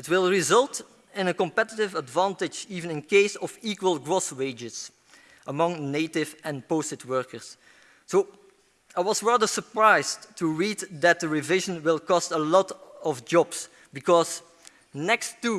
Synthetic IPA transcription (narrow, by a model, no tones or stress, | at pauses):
ɪtwɪlˠɹɪzʌlˠt | ɪ̃nəkɔ̃mpɛtɪtɪvədvɑ̃ntɪd͡ʒiːvə̃nɪ̃nkeɪsɔviːkwəlˠɡɹɔsweɪd͡ʒɪz | ʔəmʌ̃ŋneɪtɪvɛ̃nposɪtwɜɹkə˞sː | oː | aɪwɔzɹɑðə˞səɹpɹaɪztʰːuɹiːddæt̚dəɹivɪʒə̃nwɪlˠkɔstəlɔtɔvd͡ʒɔbs | bikɔz | nɛkstːu